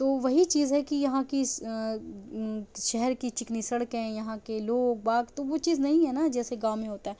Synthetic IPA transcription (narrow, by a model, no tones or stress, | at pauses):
t̪oːʋɐɦit͡ʃiːzɦɛkijɐɦãki | ʃɛɦɛɾkit͡ʃɪknisɐɽkɦɛ̃jɐɦãkeloːɡ̚baːkt̪oʋot͡ʃiːznɐɦĩɦɛnad͡ʒɛːseɡãːʋmẽɦoːt̪aɦɛː